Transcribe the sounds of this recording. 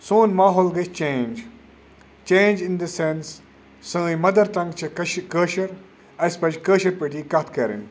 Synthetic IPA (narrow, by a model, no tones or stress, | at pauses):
soːnmaːɦoːlɡet͡ʃẽːnd͡ʒ | t͡ʃẽːnd͡ʒɪnd̪əsẽnsː | ə̃ːĩmɐd̪ɐɾt̪ɐ̃ŋɡt͡ʃʰɐkəːʃɐɾ | ɐspɐt͡ʃkəːʃɐɾpiʈikɐt̪ʰkɐɾḭn